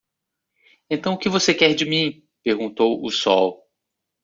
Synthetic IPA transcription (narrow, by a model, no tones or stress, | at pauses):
ẽnt̪ɐ̃w̃ʊkɪvosekɛɾd͡ʒɪmĩ | peɾɡũnt̪owʊsɔ̰w